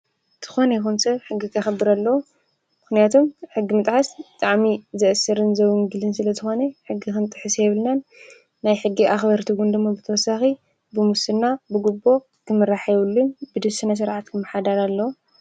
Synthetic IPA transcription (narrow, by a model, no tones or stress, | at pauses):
t̪ʰɨ̥xonejxunsɐβħɨɡːikʰɐxɐbːɨɾalːɐw | mɨxnijat̪ʰomħɨɡːimɨt̪ʼħasbɨt̪ʼaʕmizɐʔɨsːɨɾɨnzɐwɨŋɡɨlɨnsɨlɐzɨxo̞neħɨɡːixɨnt̪ʼɨħɨsjɛβɨlnɐnː | ajħɨɡːiʔaxbɐɾt̪ʰiɡund̪ɨmːobɨt̪ʰɐwɔsaxi | bɨmusɨnːabɨɡubo̞ | kʰɨmɨɾaħjɛβɨlːunbɨd̪ɨsɨnɐs̬ɨɾʕat̪kʰɨmːɐħad̪aɾalːɐwu